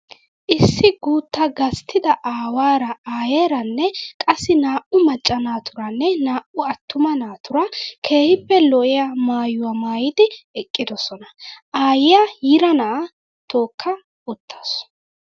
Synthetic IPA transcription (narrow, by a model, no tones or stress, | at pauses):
ʔɪsːɪɡuːt̪ːɐɡɐst̪ʰɪd̪ɐʔaːwaːɾɐaːjeːɾɐnːɛkʼɐsːɪnaːʔʊmɐt͡ʃʼːɐnaːt̪ʊɾɐnːɛnaːʔʊɐt̪ːʊmɐnaːt̪ʊɾɐkʰe̞ːhɪpːɛlɔʔɪjamaːjʊwamaːjɪd̪ɪɛkʼːɪd̪ɔsɔnɐʔaːjɪjajɪɾɐnɐʔɐ | t̪o̞ːkːɐ | ʊt̪ʰːḁs